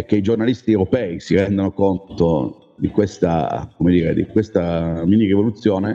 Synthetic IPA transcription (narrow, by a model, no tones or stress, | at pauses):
ɛk̟ːeid͡ʒornalist̪iewɾopɛːisiɾɛnd̪onokont̪o | d̪ikwest̪a̰komed̪iːɾed̪ikwest̪aminirivolut̪sːjoːne